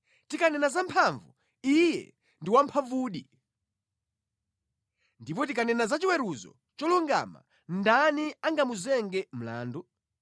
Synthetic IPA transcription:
tikanɛnazampʰaɱvu | ijɛ̰ | ndiwampʰavuːɗi | ndip̬ɔt̬ikanɛnazat͡ʃiwɛɾuzɔ̰ | t͡ʃɔluŋɡa̰ma̰ | ndaniaŋɡamuzɛŋɡɛm̩la̰ːndɔ

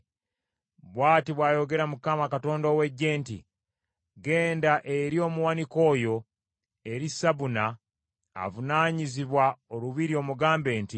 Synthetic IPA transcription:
βwaːtiβwaːjo̞ɡe̞ɾamukamakato̞ːndowe̞ɟːe̞ːntḭ | ɡe̞ːndaʔeɾio̞ːmuwaniko̞ːjo̞ | e̞ɾisaβuna̰ː | vunaːɲiziβwaoluβiɾio̞ːmuɡaːmbe̞ːnti

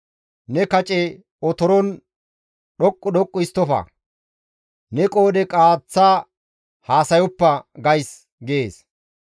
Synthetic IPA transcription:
nɛkɐt͡ʃʼɛ | ɔt̪ɔɾɔn | ɗɔkʼːʊɗɔkʼːʊɪst̪ːɔfɐ̰ | nɛkʼo̞ːd̪ɛkʼaːt͡sːaː | haːsɐjɔpːɐɡɐjs | ɡɪeːs

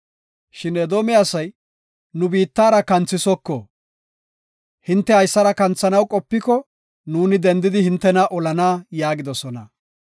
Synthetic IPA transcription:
ʃɪnɛd̪oːmɛasɐj | nʊbiːt̪ːaːɾɐkɐnt͡sːɪsɔkːɔ | hɪnt̪ːɛhɐjsːɐɾɐkɐnt͡sːɐnɐwkʼɔpːɪkɔ | nuːnɪd̪ɛnd̪ɪd̪ɪhɪnt̪ːɛnɐʔɔlɐnaːjaːɡɪd̪ɔsɔnɐ̰

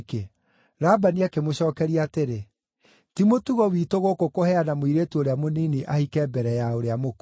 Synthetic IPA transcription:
ke | ɾabaniakemoɕɔːkɛɾiateɾe | timotuɣɔwiːtoɣokokohɛanamwiɾeːtuoɾeamoniːniʔahikɛːbɛɾɛjaoɾeamok

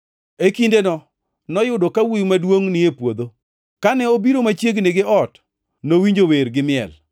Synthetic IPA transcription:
ekindenɔ | nɔjʊdokawijmadwoŋnɪjepwod̪o | kanɛobiɾomat͡ʃjeɡneɡɪʔɔt | nowiɲd͡ʒoweɾɡɪmɪɛ̰l

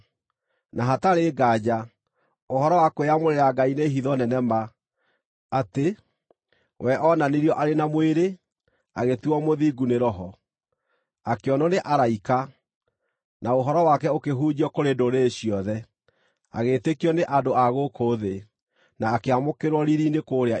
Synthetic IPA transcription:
naɦataɾeɡad͡ʑa | ohɔɾɔwakweamoɾeɾaɡaineɦiðɔnɛnɛma | te | wʔɛʔɔnaniɾiɔʔaɾenamweɾe | a̰ɣetuɔmoðiːɡuneɾɔɦɔ | akeɔnɔneʔaɾaika | naoɦɔɾɔwakɛokeɦuːd͡ʑiɔkoɾendoɾeːɕiɔðɛ | a̰ɣetekiɔneʔadoaɣokʰoðe | naːkeamokeɾwɔɾiɾinekoːɾea

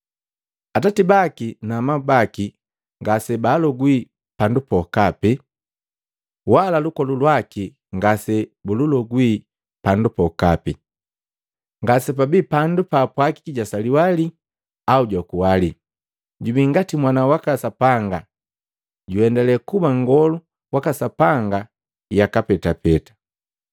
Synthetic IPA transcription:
atatibakinamabaki | ŋɡasɛbalɔɡwi | pandupɔkapi | walalukɔlulwaki | ŋɡasɛbululɔɡwi | pandupɔkapi | ŋɡasɛpabipandupapwaki̥kiɟasaliwali | auɟwakuwali | ɟubiŋɡatimwanawakasapaŋɡa | ɟuɛndɛlɛkubaŋɡɔlu | wakasapaŋɡa | jakapɛtapɛtḁ

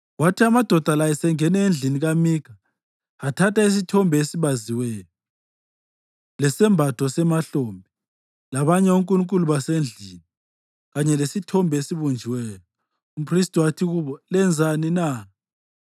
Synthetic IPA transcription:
watʰiamad̥ʱɔd̥ʱalajɛsɛŋɛnɛend͡ɮʱiniɣamiːkʰa | atʰatais̬itʰɔmbʱesiβaziwɛːlɔ | lɛsɛmbʱatʰɔsɛmaɬoːmbʱi | laβaɲɛuŋkʼuluŋkʼuluβasend͡ɮʱini | ɣaɲɛlesitʰɔmbʱesiβund͡ʒʱiwɛːlɔ | upʰristʼuwatʰiɣuβɔlɛnd͡zʱanina

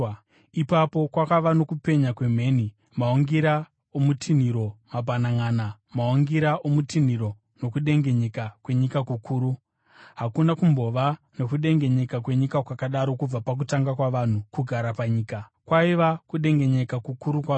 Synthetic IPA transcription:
ipapo̞kwakaʋano̞kupe̞ɲakwe̞m̤e̞ːni | maoŋɡiɾa | omutʰin̤iɾo̞mabʱanaŋaːna | maoŋɡiɾaʔomutin̤iɾo̞ | no̞kuɗe̞ŋɡe̞ɲekakwe̞ɲikakukʰuːɾu | ɦakunakumbo̞ʋa | no̞kuɗe̞ŋɡe̞ɲe̞kak̬we̞ɲikakwakaɗaɾo̞kub͡vapak̬utaŋɡakwaʋan̤ukuɡʱaɾapaɲiːka | kwaiʋakuɗe̞ŋɡe̞ɲe̞kakukuɾukwa

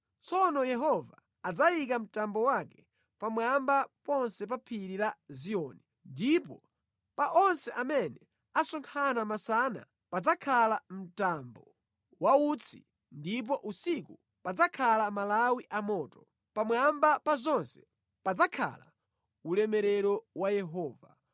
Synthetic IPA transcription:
t͡sɔnɔjɛɦɔva̰ː | d͡zajik̬am̩tambɔwakɛ̥ | pamwambapɔnsɛp̬apʰiɾiɾaziɔːni | ndipɔ | paʔɔnsɛʔamɛnɛ | asɔŋkʰanamasana̰ | pad͡zakʰalam̩tambɔ | waut͡sʰḭ | ndip̬ɔʔusiku | pad͡zakʰalamalawiʔamɔːtɔ̥ | pamwambapazɔnsɛ̥ | pad͡zakʰa̰la | ulɛmɛɾɛɾɔwajɛɦɔːva

